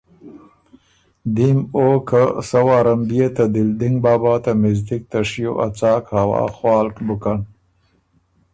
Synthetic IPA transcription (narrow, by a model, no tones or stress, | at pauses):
d̪imoːkasɐwaːɾɐmbijet̪ad̪ɪld̪ɪŋɡbaːbaːt̪amɪzd̪ik̚t̪aʂijo̰ʔa̰t͡saːkhawa̰ːxwaːlkbukan